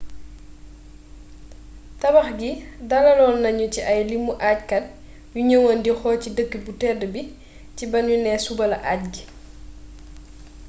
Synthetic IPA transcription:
tɐbɐxɡidalɐlɔːnːɐɲuciʔɐjlimːuʔaːc̚kɐt̚ | juɲəwɐndixɔːcidəkːibutɛdəbi | cibɐnjunɛsubɐlɐʔaːc̚ɡi

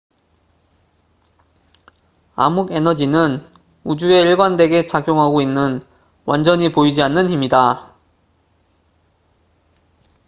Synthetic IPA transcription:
a̰muɡe̞nʌd͡ʑinɯn | ud͡ʑue̞iɭɡwande̞ɡe̞t͡ɕaɡjoŋɦaɡoinːɯn | wʔand͡ʑʌɲipoid͡ʑianːɯnɦimida

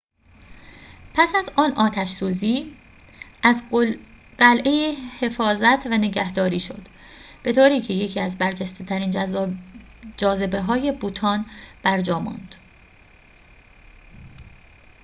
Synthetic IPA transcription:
pʰæsæzɒːnʔɒːt̪ʰæʃsuːziː | ʔæz | ɢælʔejehe̞fɒːzæt̪ʰvæne̞ɟæhd̪ɒːɾiːʃo̞̰d̪̥ | b̥e̞t̪ʰoːɾiːcʰe̞je̞cʰiːæzbæɾd͡ʒæst̪et̪ʰæɾiːn | d͡ʒɒːze̞be̞ɦɒːje̞buːt̪ʰɒːnb̥æɾd͡ʒɒːmɒ̰nd̪̥

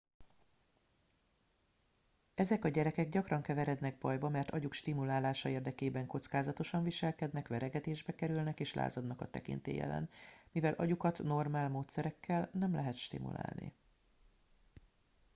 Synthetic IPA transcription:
ɛzɛkɒɟɛɾɛkɛɡɟɒkrɒŋkɛvɛɾɛd̪nɛɡ̚bɒjbɒmɛrt̪ʰɒɟukʃt̪imulaːlaːʃɒeːrd̪ɛkeːbɛŋko̞t̪skaːzɒt̪o̞ʃɒɱviʃɛlkɛd̪nɛkʋvɛɾɛɡɛt̪eːʒbɛkɛɾylnɛkeːʃlʔa̰ːzɒd̪nɒkɒt̪ːɛ̰kḭnt̪ḛːjɛ̰lɛ̰nmivɛlʔɒ̰ɟukɒt̪no̞rmaːlmoːt̪sɛɾɛkːɛlnɛmlɛɦɛt̪ʃt̪ḭmṵla̰ːlnḭ

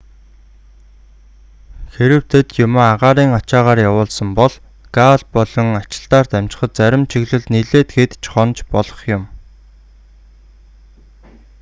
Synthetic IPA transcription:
xeɾɘ̆w̥t̪ʰet̪jʊmoːaʁaːɾiːŋɔt͡ɕaːʁaːrjawʊːɮsə̆mpɔɮ | ɡaɮpɔɮɞ̆ŋat͡ɕɪ̥̆ɬt̪aːrt̪æm̥ʲt͡ɕɪ̥̆χə̆t̪̚t͡sæɾʲɪ̆mt͡ɕʰiɣɮɘ̆ɮt̪niɮeːt̪xet̪t͡ɕχɔnt͡ɕpɔɮɞ̆χjʊm

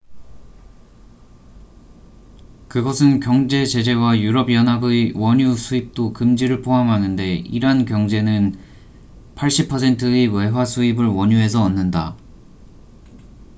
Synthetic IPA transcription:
kɯɡʌsʰɯnkjʌŋd͡ʑe̞t͡ɕe̞d͡ʑe̞wajuɾʌbjʌnɦabewʌɲusʰuip̚t͈okɯmd͡ʑiɾɯɭpʰoɦamɦanɯnde̞iɾankjʌŋd͡ʑe̞nɯn | pʰaɭɕ͈ipʰʌsʰe̞ntʰɯewe̞ɦwasʰuibɯɭwʌɲuɦe̞sʰʌːnːɯnda

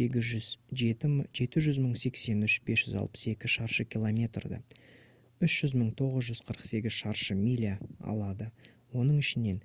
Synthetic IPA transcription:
eɡʲɪzʒʏzʒet̪ɪʒe̞t̪ɪʒʏzməɴse̞kse̞nʏʃb̥e̞sʒ̥ʏzɑ̰lˠpə̥se̞kʲɪʃɑɾʃəkʲilˠomʲe̞t̪rd̪ə̰ | ʏʃʒ̥ʏzməɴt̪ʰo̞ʁəzʒʏzqʰəɾəqse̞ɡʲɪz̥ʃɑɾʃəmijlʲiaɑ̰lˠɑd̪ə | wo̞nəɴɪʃɪne̞n

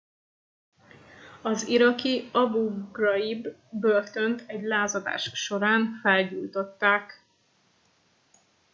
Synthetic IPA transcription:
ɒziɾɒkiɒbuɡrɒibːørt̪o̞nt̪ʰɛɟlaːzɒd̪a̰ːʃʃo̞ɾaːnfɛlɟult̪o̞t̪ːaːk

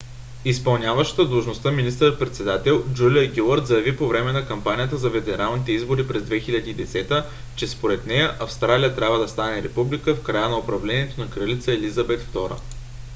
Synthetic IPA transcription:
ispɐlˠnʲavəʃə̥t̪əd̪lˠuʒnost̪aminist̪əɾət̪̚pɾɛt̪sɛd̪at̪ɛlˠd͡ʒulʲiəɡʲilˠəɾt̪zɐjɐvipovɾɛmɛnɐkɐmpanʲijət̪əzɐfɛd̪ɛɾʔalˠnit̪ɛizboɾipɾɛzd̪vɛxilʲɐd̪iːd̪ɛsɛt̪ə | t͡ʃɛspoɾɛt̪nɛjəʔɐfst̪ɾalijət̪ɾʲabvəd̪ɐst̪anɛɾɛpublikəfkɾajənɐopɾɐvlɛniɛt̪onɐkɾəlit̪səɛlizəbɛt̪ft̪ɔɾə̰

